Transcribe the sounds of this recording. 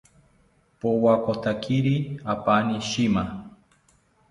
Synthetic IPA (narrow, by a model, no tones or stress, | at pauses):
powakot̪akʰiɾiapaniʃima